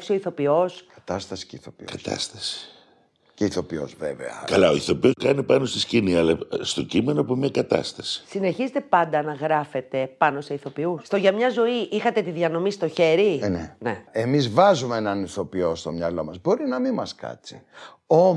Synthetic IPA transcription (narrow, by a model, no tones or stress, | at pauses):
psio̞iθo̞pio̞skɐ̥t̪ɐst̪ɐsi̥ceiθopikɐt̪ɐ̰st̪ɐ̥si̥ | ceiθo̞pio̞̰zvḛvḛɐ̰kɐlɐo̞iθo̞pio̞skɐnipɐno̞st̪isciniɐlɐst̪o̞cime̞nopumɐkɐt̪ɐ̰st̪ɐsi̥sine̞çizet̪e̞pɐnd̪ɐnɐɣɾɐfe̞t̪e̞pɐno̞se̞iθo̞piusst̪oʝɐmɲɐzo̞iʔixɐt̪e̞t̪iðjɐno̞mist̪oçe̞ɾineneemizvɐzumeenɐniθo̞pio̞st̪o̞mɲɐlo̞mɐzbo̞ɾinɐmimɐskɐ̰t͡si̥ | o